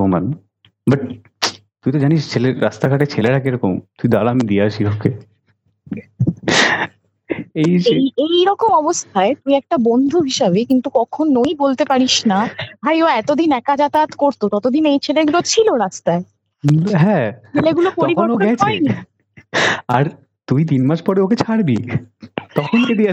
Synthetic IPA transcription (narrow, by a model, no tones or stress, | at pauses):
oma̰n | bɐʈ̚ | t̪uijt̪̬od͡ʑaniʃt͡ɕʰeleɾa̰st̪aɡʱaʈet͡ɕʰeleʈʰakejɾɔkomt̪uid̪alamid̪iaʃiɔke | ejejejɾɔkomɔbost̪ʰaet̪uiɛk̚ʈabɔnd̪ʱuɦiʃabekint̪ukɔkʰonːojbolt̪epaɾiʃnabʱajoɛt̪od̪inɛkad͡ʑat̪at̪koɾt̪ot̪ɔt̪od̪inejt͡ɕʰeleɡulot͡ɕʰiloɾad͡ʑt̪ae | ɦɛ̃eleɡulokoɾikoɾnoɡɛɔeeni | aɾ | t̪ujt̪̬inmaʃpɔɾeoket͡ɕʰaɾbḭ | t̪ɔkʰonked̪ia